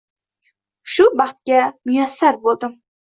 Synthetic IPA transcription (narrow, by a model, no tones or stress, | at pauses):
ʃubɑχt̪̚ɡʲɛmujɛsːaɾbolˠd̪ɪm